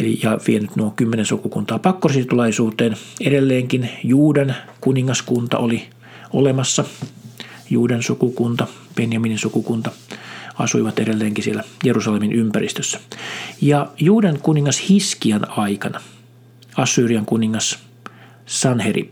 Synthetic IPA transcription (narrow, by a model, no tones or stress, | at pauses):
elḭjɑʋienyt̪nuokymːenensukukunt̪ɑːpɑkːossit̪ulɑisuːt̪eːneɾelːeːŋkinjuːdenkuniŋːɑskunt̪ɑ̰ʔoli | o̰lemɑsːɑ | juːdensukukunt̪ɑ | penjɑmininsukukunt̪ɑɑ̰suiʋɑt̪eɾelːeːŋkisielːæjerusɑleminʔympærḭst̪øsːæ̥jɑjuːdeŋkuniŋːɑshiskiɑnɑikɑnɑ | ɑsːyːriɑŋkuniŋːɑs | sɑnherḭ